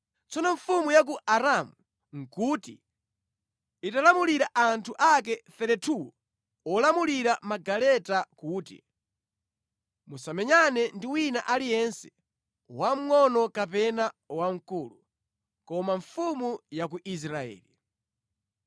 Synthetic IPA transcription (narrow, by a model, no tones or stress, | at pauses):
t͡sɔnɔɱfumujak̬uʔaɾamu | ŋ̩kutḭ | italamuliɾaʔantʰuʔak̬ɛθɛɾɛtʰu | ɔlamuliɾamaɡalɛtakuːtḭ | musamɛɲanɛndiwinaʔalijɛnsɛ̥ | wam̩ŋɔnɔkapɛnawaŋ̩kulu | kɔmaɱfumujak̬uʔis̬ɾaɛ̰ːli